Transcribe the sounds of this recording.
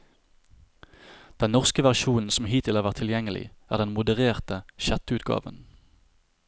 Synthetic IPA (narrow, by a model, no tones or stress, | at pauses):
d̪̥ɛnnɔʁskəʋæʁʃuːn̩sɔm̩hiːt̪ʰɪlhɑːʋæʁt̪ʰːɪljɛŋəlɪ̰ʔæːʁd̪ɛnmʊd̪əʁeːʁt̪əʃɛt̪ʉːt̪ɡɑ̰ːʋə̰n